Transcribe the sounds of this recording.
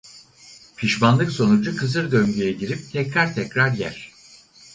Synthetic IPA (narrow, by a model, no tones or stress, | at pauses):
pʰiʃmanlˠɯkso̞nud͡ʒukʰɯzɯɾd̪ø̞ŋɟyjɛɟiɾip̚t̪ʰɛcɾaɾt̪ʰɛcɾaɾjæɾ̥